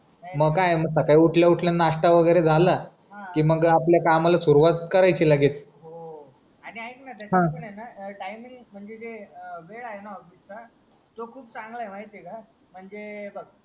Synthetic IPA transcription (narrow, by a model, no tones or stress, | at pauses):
məɡkajməɡsəkajuʈʰljauʈʰljanaʂʈaʋəɡəjɾed͡zʱala | kiːməɡapljakamalasuɾuʋat̪kəɾajt͡ɕilaɡiːt̪ | o | aɽ̃iaiknat̪jat͡ɕɦãəɳajnaʈajmiŋɡm̤əɳd͡zed͡z̪eʋeɽaɦenaɔɡisna | t̪okʰuːp̚t͡sãŋɡlaemaɦit̪eka | m̤əɳd͡zebəɡ